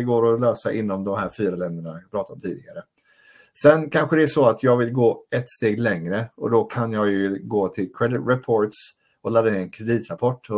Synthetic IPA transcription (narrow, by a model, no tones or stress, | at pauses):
ɛɡoːɾɔløːsaʔɪnːɔmd̪ɔmhæːɾfyːɾalɛnd̪əɳapʰɾɑːt̪at̪ɔmt̪iːd̪ɪɡaɾə | sɛnkʰanɧəd̪ɛæʂɔat̪ʰjɑːɡvɪlɡoːɛt̪ːst̪eːɡlɛŋɾəɔ̰d̪ɔkʰanjɑːɡjɵɡoːt̪ʰɪlkʰɾɛd̪ɪɾɛpʰoːɾʈs | ɔlad̪ːaɪnɛnkʰɾɛd̪iːt̪ɾapʰɔʈː